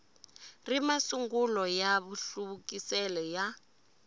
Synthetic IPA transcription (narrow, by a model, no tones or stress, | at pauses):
rimasuŋɡulɔjaβuɬuβukʼisɛlɛja